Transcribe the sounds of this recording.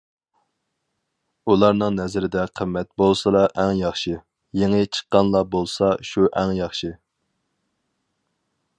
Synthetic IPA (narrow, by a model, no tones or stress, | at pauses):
ulˠɑɾnɨŋnɛzɪɾɪd̪ɛqʰəmːɛt̪̚bolˠsɨlɑʔɛŋjɑχʃɨ | jeŋɪt͡ʃʰə̥qːɑnlˠɑbolˠsɑʃuʔɛŋjɑχʃɨ